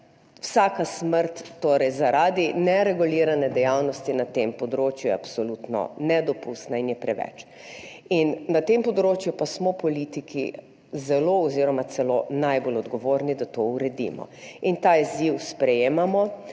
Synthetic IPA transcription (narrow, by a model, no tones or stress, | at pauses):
wsaːkasməɾt̪ːoɾɛjzaɾaːd̪inɛɾɛɡuliɾanɛd̪ɛjawnɔst̪inat̪empɔd̪ɾoːt͡ʃjujɛ̰apsɔlut̪nɔ̰nɛd̪ɔpust̪nainjɛpɾɛʋɛ̰t͡ʃ | inːat̪empɔd̪ɾoːt͡ʃjupasmɔpɔlit̪ikʰḭ | zɛloɔziɾɔmat̪sɛlonajbolɔd̪ɡɔʋoːɾnid̪at̪ouɾɛd̪ḭmɔ̰int̪aizjiwspɾɛjeːmamɔ